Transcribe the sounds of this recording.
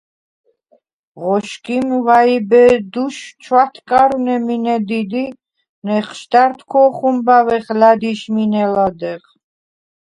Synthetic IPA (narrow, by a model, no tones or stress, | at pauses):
ʁɔʃkʰʼimvaibɛd̪uʃt͡ʃʰwat̪ʰkʼaɾunɛminɛd̪id̪i | nɛχʃt̪aɾt̪ʰkʰɔχumbavɛχlad̪iʃminɛlad̪ɛχ